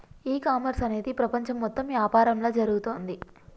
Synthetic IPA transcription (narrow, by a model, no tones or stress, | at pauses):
iːkaːmɐɾsɐne̞ːd̪ipɾɐpɐɲt͡ʃɐmːɔt̪ːɐmʋjaːpaːɾɐmlo̞ːd͡ʒɐɾuɡut̪oːnd̪i